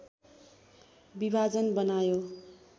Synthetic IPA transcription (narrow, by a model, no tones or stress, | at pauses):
bibʱad͡zʌnbʌnajo